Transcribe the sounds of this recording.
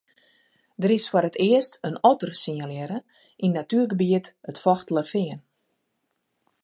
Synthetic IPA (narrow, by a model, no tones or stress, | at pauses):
dəɾɪsfɔɾətɪəstənɔtərsiɲaljɛɾə | ʔinːatyːrɡəbiətətfɔxtələfɪən